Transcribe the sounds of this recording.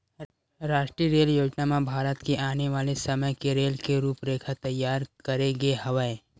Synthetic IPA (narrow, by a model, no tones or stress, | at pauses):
ɾaːʃʈɾiəɾeːljoːd͡ʒnamãbʱaːɾət̪kiʔaːneʋaːlesəməjkeɾeːlkeɾuːpɾeːkʰət̪ːɐjːaːɾkəɾeɡeɦɐʋəe